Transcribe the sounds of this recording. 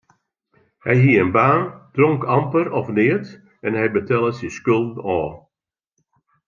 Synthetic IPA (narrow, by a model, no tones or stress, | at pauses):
hɛjɦiənbaːnd̥rɔŋkampəɾɔfnɪət | ɛnhɛjbətɛlˠəsɪskølˠdn̩ɔː